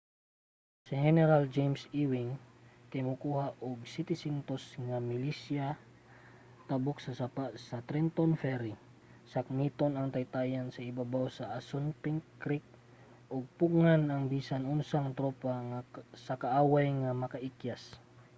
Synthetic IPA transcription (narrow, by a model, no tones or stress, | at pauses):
siɦɛnɛɾald͡ʒejmsiwɪŋk̪ɐjmʊkuːhaʔoɡ̚sit̪ɪsint̪osŋamɪlisja | t̪abok̚sɐsapasɐt̪ɾɛnt̪onfɛɾi | sɐk̚mit̪onɐŋt̪ɐjt̪aːjansɐibabawsɐʔasʊnpɪŋkɾik̚ | ʔoɡ̚puɡŋanɐŋbiːsanʊnsaŋt̪ɾopaŋasɐkaʔaːwajŋamɐkɐʔikjas